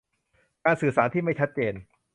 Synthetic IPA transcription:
kaː˧nsɯː˨˩saː˩˦nt̪ʰiː˥˩ma˥˩jt͡ɕʰa˦˥t̪̚t͡ɕeː˧n

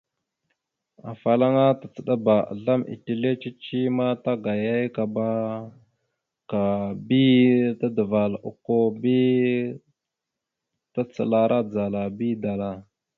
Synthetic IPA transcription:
a˨fa˨la˦ŋa˦ta˨t͡sə˨ɗa˦ba˨a̰˨ɮa˦mḭ˨ti˨le˦t͡ʃi˦t͡ʃi˦ma˦ta˦ɡa˨ja˦jka˨ba˦ | ka˨bi˦ta˦də˨va˨lṵ˨ko˦bi˦ | ta˦t͡sə̰˨la˦ɾa˦d͡za˨la˨bi˦da˨la˦

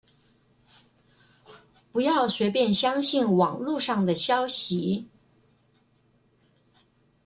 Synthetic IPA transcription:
pu˧˥jɑ˥˩ʊɕɥɛ˧˥pjɛ˥˩nɕjɑ˥ŋɕi˥˩nwɑ˨˩ŋlu˥˧ʂɑ˥˩ŋd̪ə˩ɕjɑ˥ʊɕi˧˥

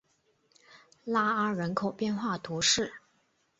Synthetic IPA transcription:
la˥ə˥ɻə˧˥nkʰo˨˩ʊpjɛ˥˧nxwa˥˩t̪ʰu˧˥ʂɻ̩˥˩

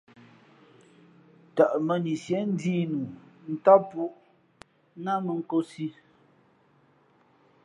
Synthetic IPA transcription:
ta˨ʔmə˨ni˨sjɛ˨˦n̩˦diː˦nu˨n̩˦ta˦pu˦ʔ | na˦mə˨ŋ̩˦ko˦si˦

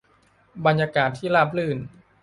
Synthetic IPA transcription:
ba˧njaː˧kaː˨˩t̪ʰːiː˥˩laː˥˩p̚lɯː˥˩n

